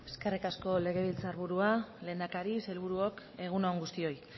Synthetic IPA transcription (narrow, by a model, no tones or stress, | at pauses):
e̞ske̞rikasko̞le̞ɣ̞e̞β̞ilt͡saɾβuɾuale̞ːnd̪akaɾiselβuɾuok | e̞ɣ̞unoːŋɡust̪io̞j